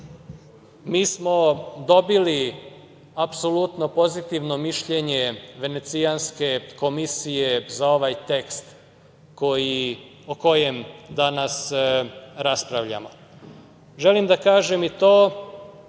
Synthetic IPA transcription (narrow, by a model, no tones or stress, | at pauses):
miːsmo̞d̪o̞bili | apsolut̪no̞po̞zit̪iʋno̞miʃʎe̞ɲe̞ʋe̞ne̞t̪sijanske̞ko̞misijezao̞ʋajt̪e̞kst̪ | ko̞ji | oko̞je̞md̪anas | ɾaspɾaʋʎa̰mo̞ | ʒe̞limd̪akaːʒemit̪oː